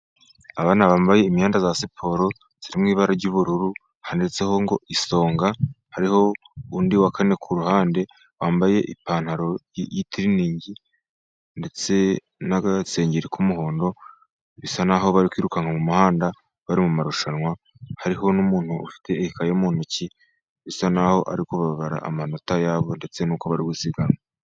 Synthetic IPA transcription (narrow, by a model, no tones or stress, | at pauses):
aβaːnaβaːmbaje̞imjaːndazasipʰo̞ːɾo̞ | z̥iɾimŋiːβaɾaɾɟuβuɾuɾu | handet͡seho̞ŋɡo̞̰ʔiso̞ːŋɡahaɾiho̞ | undiwakʰane̞kʰuɾuhaːnde̞ | waːmbaje̞ʔipaːn̥haɾo̞jitiɾiniːɲɟi | nde̞t͡se̞ | naɡase̞ːɲɟiɾikʰumuɦo̞ːndo̞ | βisanaɦo̞βaɾikwiːɾukaŋamumuhaːnda | βaɾimumaɾuʃanwa | haɾiɦo̞numuːn̥huṵfi̥tʰe̞ːhikajemuːn̥uci | βisanaho̞ʔa̰ɾikoβaββaɾa̰ʔːmano̞tajaːβo̞nde̞t͡se̞nuːkoβaɾiɡusiɡaŋa